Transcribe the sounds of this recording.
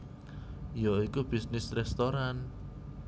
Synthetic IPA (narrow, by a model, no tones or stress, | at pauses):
joikub̥isnɪsrɛst̪oɾan